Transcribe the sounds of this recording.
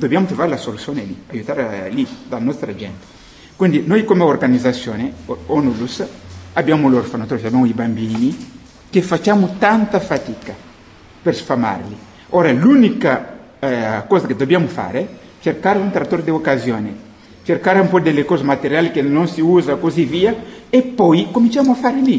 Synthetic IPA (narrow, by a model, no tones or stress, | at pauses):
d̪obiamut̪ɾovaɾlasolusjoneliajut̪aɾalid̪anɔst̪ɾɐʒɛ̰̃nt̪e̥ | kwĩnd̪inojkomeoɾɡanizasjoneonulusaabjamuloɾfanot̪ɾoʃabjamuibambini | kefat͡ʃamut̪ãnt̪ɐfat̪ikɐ | peɾsfama̰ɾli | oɾɐlunikɐ | ɛkozɐked̪obiamʊfa̰ɾɛ | t͡ʃeɾkaɾũnt̪ɾat̪oɾd̪eokazjone | t͡ʃeɾkaɾũmpod̪elekozɐmat̪eɾjalkenõŋsiuzɐkoziviɐepojkomĩnt͡ʃamuafaɾli